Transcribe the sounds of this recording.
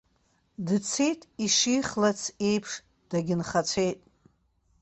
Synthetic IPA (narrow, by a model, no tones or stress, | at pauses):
dt͡sʰejtʼiʂiχlat͡sʰe̞jpʰʂ | d̥aɡʲɪnχat͡sʷʰe̞jtʼ